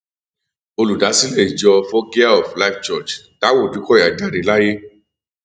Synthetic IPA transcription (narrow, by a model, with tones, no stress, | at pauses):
o˧lu˨da˨˦si˦le˦˨i˨d͡ʒɔ˧fɔ˦ɡi˦a˦ɔ˨fla˦ft͡ʃɔ˦˨t͡ʃta˨˦wo˦˨du˨˦kɔ˦˨ja˨˦d͡ʒa˦˨ɾi˨˦la˦je˦